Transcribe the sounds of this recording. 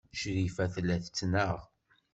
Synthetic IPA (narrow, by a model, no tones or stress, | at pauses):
ʃɾifæθlːæθət͡sːnəʁ